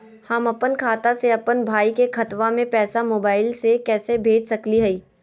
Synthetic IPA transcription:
hɐmɐpənkʰaːt̪aseɐpənbʱaːikekʰɐt̪ʋamẽpɛːsamoːbaːɪlsekɛːsebʱeːd͡ʒʱsɐkliɦɐiː

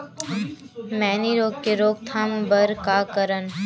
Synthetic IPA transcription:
mɛːniɾoːɡ̚keɾoːɡ̚t̪ʰambəɾkakəɾən

